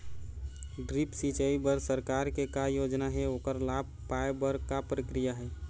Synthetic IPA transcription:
ɖɾipsit͡ʃəibəɾsəɾkaɾkekajod͡ʒnaɦɛoːkəɾlab̚ʱ | paebəɾkapɾəkɾijaɦɛː

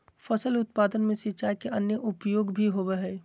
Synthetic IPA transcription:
fɐsəlʊt̪̚paːd̪ənmẽsɪt͡ʃaːikeʔɐnjəʔʊpjoːɡbʱiɦobeɦɛː

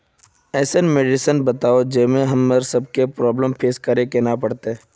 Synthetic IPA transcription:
ɛːsenmeːɖɪsənbɐt̪aːod͡ʒeːmẽɦɐmːəɾsɐb̚kepɾɔːbləmpʰeːskɐɾekenapɐɽt̪e

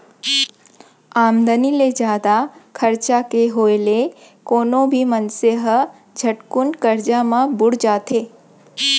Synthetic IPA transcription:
aːmd̪əniled͡ʒaːd̪akʰəɾt͡ʃakeɦoːele | koːnõbʱimənseɦə | d͡ʒʱəʈkʊnkəɾd͡ʒamãbʊɽd͡ʒaːt̪eː

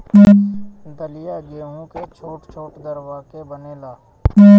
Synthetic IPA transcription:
d̪əlɪjaɡeːɦõket͡ʃʰoːʈt͡ʃʰoːʈd̪əɾʋaːkebəneːlaː

